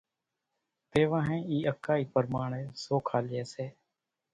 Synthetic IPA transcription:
t̪eːʋãːɦẽːiːəkaːiːpəɾmaːɳeːsoːkʰaːljeːseː

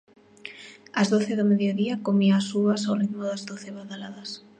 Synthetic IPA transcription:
azðoθeðomeðjoðiakomiaːsuβasawriðmʊðazðoθeβaðalaðas

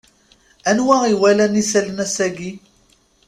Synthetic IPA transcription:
ænwæiwælænisælənæsæɡi

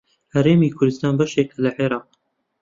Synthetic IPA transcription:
hɐɾeːmiːkʰʊɾd̪ɨst̪ɑːnbɐʃekɐlɐʕeɾɑːq

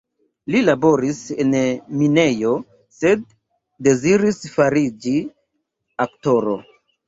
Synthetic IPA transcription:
lilabo̞ɾise̞nmine̞jo̞ | se̞d̚ː | e̞ziɾisfaɾid͡ʒi | akto̞ɾo̰

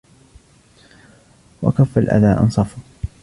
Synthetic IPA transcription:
wa̰kafːalʔa̰ðaːʔɑ̰nsˤɑfʊ

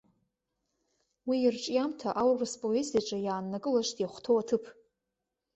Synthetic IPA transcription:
wiːrʈ͡ʂʼjamtʰaʔawraspʼoezijaʈ͡ʂʼajaːnːakʼɨlaʃtʼjaχʷtʰowatʰɨpʰ

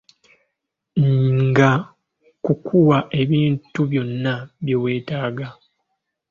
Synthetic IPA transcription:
ŋɡa | kukʰuwaʔe̞βiːntuβjo̞nːaβjewe̞ːtaːɡa

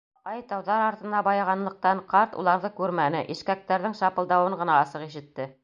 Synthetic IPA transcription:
ɑjt̪ɑwðɑɾɑɾt̪ɤ̆nɑbɑjɑʁɑnlˠɤ̆q̚t̪ɑɴqɑɾt̪ṵlˠɑɾðɤkʉɾmænɘʔiʃkæk̚t̪æɾðɘŋʃɑpɤ̆ld̪ɑwɤɴɢɤ̆nɑɑsɤqiʃɘ̆t̪ːɘ

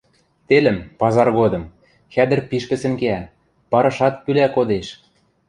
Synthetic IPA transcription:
t̪elɘ̆mpɑzɑrɣod̪ɤ̆m | xæd̪ə̆rpiʃkɘ̆sɘ̆ŋkeæ | pɑɾɤ̆ʃɑt̪̚kylækod̪eʃ

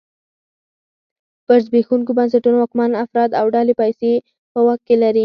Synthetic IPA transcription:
b̥aɾzbexuŋkobans̬aʈunoɑkmɑnafɾɑd̪awɖɑlepajse | pəwaxt̪̚kelaɾi

